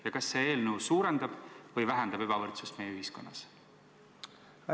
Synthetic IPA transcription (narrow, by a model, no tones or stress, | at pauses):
jɑkɑsːe̞eːlnəwsuːɾend̪ɑb̥vɤjvæɦɛnd̪̥ɑb̥e̞b̥ɑvɤrt̪sust̪me̞jey̟ɦisko̞nːɑ̰s